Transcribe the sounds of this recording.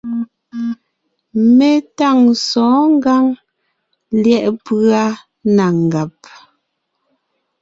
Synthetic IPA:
mɛ˨ta˦˨ŋsɔ̃ː˨˦ŋ˦ɡa˦ŋ | ljɛ˦˨ʔpɰa˦ | na˨ŋ˨ɡa˨p̚

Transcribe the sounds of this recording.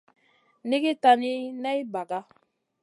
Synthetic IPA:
ne˦ɡi˦ta˧ni˦nɛ˦i˦ba˨ɡa˦

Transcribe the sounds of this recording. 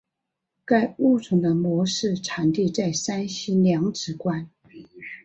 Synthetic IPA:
ka˥˧ɪu˥˩t͡sʰʊ˧˥ŋd̪ə˧mwɔ˧˥ʂɻ̩˥˩ʈ͡ʂʰa˨˩ŋt̪i˥˧t͡sa˥˩ɪsa˥nɕi˥ljɑ˧˥ŋʈ͡ʂɻ̩˧˥kwa˥n

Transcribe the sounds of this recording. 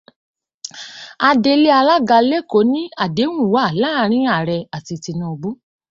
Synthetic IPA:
a˧de˧le˦a˧la˦ɡa˧le˦ko˨˦nĩ˦a˨de˨˦wũ˦˨wa˨˦˨la˦ɾ̃ĩ˨˦a˦˨ɾɛ˧a˨ti˧ti˧nũ˧o˧ɡ͡bo˦

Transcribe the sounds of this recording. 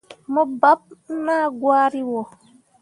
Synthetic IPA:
mɔ˦ba˦p̩̚˦ma˦˨ɡwaː˦ɾi˦wɔ˨

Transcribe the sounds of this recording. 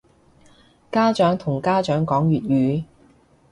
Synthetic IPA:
kaː˥t͡ʃœː˨˥ŋt̪ʰʊ˨˩ŋkaː˥t͡ʃœː˨˥ŋkɔː˨˥ŋɥyː˨t̚jyː˨˥

